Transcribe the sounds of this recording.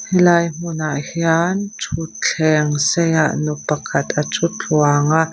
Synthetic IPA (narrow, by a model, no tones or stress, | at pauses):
hilajm̥ʊnaʔhjant͡ʃʰut͡ɬʰɛŋsɛjaʔnupɐkʰɐt̪ɐt͡sʼʊt͡ɬwaŋaʔ